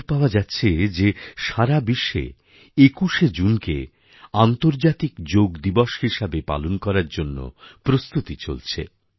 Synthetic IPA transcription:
ɾpaoad͡ʑatːɕʰed͡ʑeʃaɾabiʃːḛ | ekuʃed͡ʑunkḛ | ant̪oɾd͡ʑat̪ikd͡ʑoɡd̪iboʃhiʃabepa̰lonkɔɾaɾd͡ʑonːo̰pɾost̪ut̪it͡ɕo̰lt͡ɕʰḛ

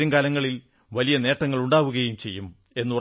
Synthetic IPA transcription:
ɐŋɡaːlɐŋːɐɭil | ʋɐlijɐne̞ːʈːɐŋːɐɭuɳɖaːʋuɣɐjumt͡ɕe̞jːum | e̞nːu

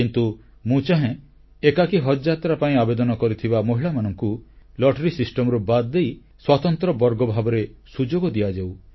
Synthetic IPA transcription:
kint̪u | mũt͡ʃaɦẽ | ekakiɦɔd͡ʒat̪ɾapaĩabed̪ɔnɔkɔɾit̪ʰibamoɦiɭamanɔŋkulɔʈɾisisʈɔmɔɾubad̪d̪ej | swat̪ɔnt̪ɾɔbɔɾɡɔbʱabɔɾesud͡ʒoɡɔd̪iad͡ʒaw

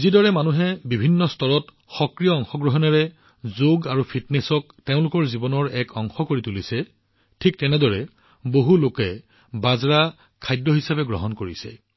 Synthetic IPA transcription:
zidɔɹɛmanuɦɛbibʱinːɔstɔɹɔt | xɔkɹijɔɔŋxɔɡɹɔɦɔnɛɹɛ | zoɡaɹupʰitnɛsɔk̚teʊ̃lʊkɔɹzibɔnɔɹɛkɔŋxɔkoɹitulisɛ | tʰik̚tɛnɛdɔɹɛ | boɦulokɛ | bazɹa | kʰajdɔɦisabɛɡɹɔ̰ɦɔnkoɹisɛ̰

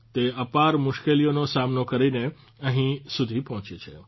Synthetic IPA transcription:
t̪eəpaɾmʊʃkelijonosamnokəɾine | əɦĩsud̪ʱipɔɦɔ̃t͡ʃet͡ʃʰḛ

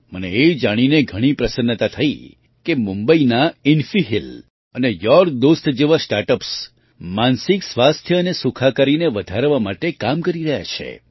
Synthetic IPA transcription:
məneːd͡ʒaɽ̃ineɡʱəɽ̃ipɾəsənːət̪at̪ʰəi | kemumbəinaɪnfiɦil | ənejɔɾd̪ost̪d͡ʒeʋasʈaɾʈəps | mansɪksʋast̪ʰjəənesukʰakaɾineʋəd̪ʱaɾʋamaʈekamkəɾiɾəɦja̰t͡ʃʰḛ

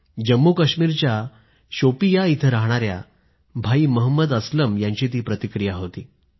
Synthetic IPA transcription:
d͡ʑəmːukəɕmiːɾt͡ɕja | ɕopijait̪ʰəɾaɦɽ̃aɾja̰ | bʱaiməɦəmːəd̪əsləmjaɲt͡ɕiːt̪̬iːpɾət̪ikɾijaɦot̪iː

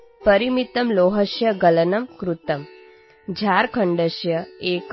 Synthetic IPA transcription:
pɐɾimit̪ɐmloːɦɐʃjɐɡɐlɐnɐmkɾut̪ɐm | d͡ʑʱaɾkʰəɳɖəɕjɐeːk

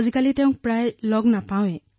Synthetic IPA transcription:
zikalitɛʊ̃ŋk̚pɹajlɔɡnapawɛ

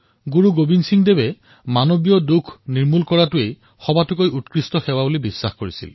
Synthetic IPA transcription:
ɡuɹuɡobinsiŋdebɛ | manobijɔdukʰniɹmulkɔɹatʊej | xɔbatʊkojutkɹistɔxɛwabolibisːaxkoɹisḭl

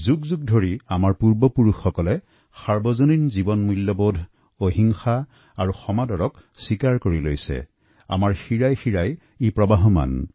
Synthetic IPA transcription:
zuɡzuɡ̚dʱoɹiamaɹpuɹbɔpuɹuxːɔkɔlɛ | saɹbɔzoninzibɔnmulːɔbodʱ | oɦiŋxa | aɹuxɔmadɔɹɔksikaɹkoɹilo̰jsɛ̰ | a̰maɹxiɹajxiɹaj | ipɹɔbaɦɔma̰n

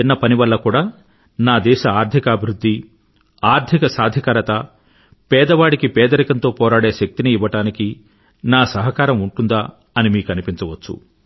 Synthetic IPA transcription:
inːɐpɐniʋɐlːɐkuːɽaː | naːd̪ɛːʃɐaːɾd̪ʱikaːbʱiɾud̪ʱːi | aːɾd̪ʰʱikɐsaːd̪ʱikaːɾɐt̪ɐ | pɛːd̪ɐʋaːɽikipɛːd̪ɐɾikɐnt̪o̞ːpɔːɾaːɽe̞ːʃɐk̚t̪iniːʋɐʈaːniki | naːsɐɦɐkaːɾɐmuɳʈund̪aː | ɐnimiːkɐnipint͡ʃɐʋɐt͡ʃːṵ

